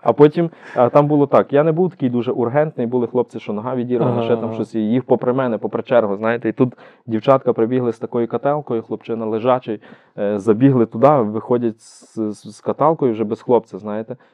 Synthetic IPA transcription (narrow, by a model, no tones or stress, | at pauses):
ɐpɔtʲimɐt̪ɑmbulˠɔt̪ɑkjanɛbuwt̪ɐ̥kʲijd̪uʒɛʔurɦɛnt̪nɪjbulˠɪxlˠɔp̚t͡s̪ʲɪʃt͡ʃɔnɔɦɑʋʲidʲiɾʋɐlˠɪʃɛt̪ɑmʃt͡ʃɔsʲijixpɔpɾemɛnɛpɔpɾet͡ʃɛrɦʊznɑjet̪ɛit̪ut̪dʲiwt͡ʃɑt̪kɐpɾebʲiɦlˠɪst̪ɐkɔjʊkɐt̪ɛlˠkɔjʊxlˠɔpt͡ʃɪnɐlˠɪʒɑt͡ʃɔj | zɐbʲiɦlˠɪt̪ʊd̪ɑʋɪxɔdʲɐtʲs | sskɐt̪ɑlˠkɔjʊwʒɛbɛsxlˠɔp̚t͡s̪ʲɐznɑjet̪ɛ